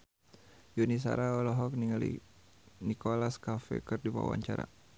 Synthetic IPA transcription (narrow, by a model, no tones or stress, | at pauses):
junis̬a̰ɾaɔlɔɦɔk̚niŋalḭ | nikɔlaskafɛ̰kɨrdipa̰wa̰ɲt͡ʃaɾa̰